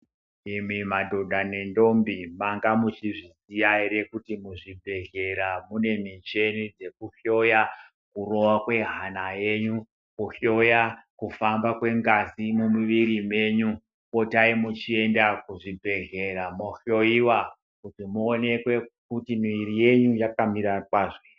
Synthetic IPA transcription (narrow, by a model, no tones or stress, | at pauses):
imimadʱoɗane̞ndo̞mbimaŋɡamut͡ʃiʐisijaiɾekutimuʐibʱe̞ɮe̞ɾamune̞mit͡ʃe̞nid͡ze̞kuɬo̞ja | kuro̞wakwe̞ɦanaje̞ɲu | kuɬo̞jakufambakwe̞ŋɡazimumuʋiɾime̞ɲu | o̞taimut͡ʃie̞ndakuʐibʱe̞ɮe̞ɾamoɬo̞iwa | kutimuone̞kwe̞kutimirije̞ɲujakamiɾakwaːʐe